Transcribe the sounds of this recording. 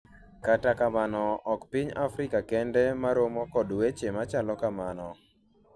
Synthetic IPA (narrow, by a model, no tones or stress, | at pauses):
katakamanɔʔɔkpiɲafɾɪkakɛndɛmaɾomɔkɔdwet͡ʃemat͡ʃalɔkamanɔ